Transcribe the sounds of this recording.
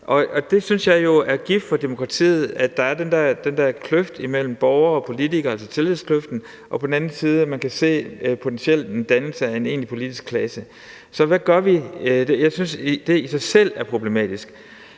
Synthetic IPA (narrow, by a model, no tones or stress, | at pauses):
ʔɒ̽ɒ̽d̥e̝synsjɑ̈ɪjo̝æɐɡ̥ifd̥fɒ̽d̥emo̝kʰʁɑ̈t͡sʰḭːð̞̩ˠæd̥ɑ̈æɐd̥end̥ɛɐ̰d̥end̥ɛɐ̰kʰløfd̥imel̰m̩b̥ɒʊɐɒ̽pʰo̝lit͡sʰiɡ̥ɐælsɐt͡sʰe̝liðˠskʰløfd̥n̩ | ʔɒ̽pʰɒ̽d̥en̩ænn̩siːð̞ˠæmænkʰæse̝̰ːpʰo̝t͡sʰensiel̰d̥end̥ænl̩səæe̝ne̝̰ːnlipʰo̝lid̥isɡ̥̚kʰlɛsə | sɒ̽ʋæɡ̥ɶɐʋidejɑ̈ɪsynsd̥e̝isɑ̈ɪsel̰æɐpʰʁo̝b̥le̝mɛ̰ːd̥isɡ̥